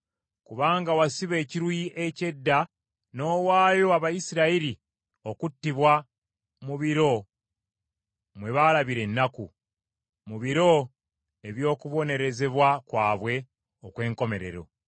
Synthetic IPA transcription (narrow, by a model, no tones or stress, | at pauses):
kuβaːŋɡawasiβe̞ːciɾwiʔe̞ce̞dːa | no̞ːwaːjo̞aβajisiɾaiɾi | o̞kutːiβwa | muβiɾo̞ | mwe̞βalaβiɾe̞nːakṵ | muβiɾo̞ | e̞βjo̞ːkuβo̞ne̞ɾe̞ze̞βwakwaːβwe̞ | okwe̞ːŋko̞me̞ɾe̞̰ɾo̞̰